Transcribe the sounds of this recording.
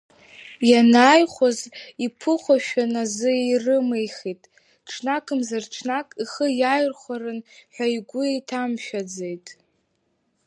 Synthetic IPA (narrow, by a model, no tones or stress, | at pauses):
janaːjχʷozipʰɨχʷaʃᶣanazɨirɨmejχitʼ | ʈ͡ʂʰnakʰɨmzarʈ͡ʂʰnakʼiχəjajrχʷaɾɨnħʷᶣajɡʷʊejtʰamʃᶣad͡zejtʼ